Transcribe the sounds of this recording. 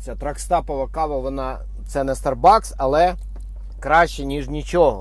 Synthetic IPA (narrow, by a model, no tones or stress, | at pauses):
t͡sʲat̪ɾɐkst̪ɑpɔʋɐkɑʋɐʋɔnɑ | t̪sɛnɛst̪ɐrbɑksɐlˠɛ | kɾɑʃʲt͡ʃɛnʲiʐnʲit͡ʃɔɦɔ̰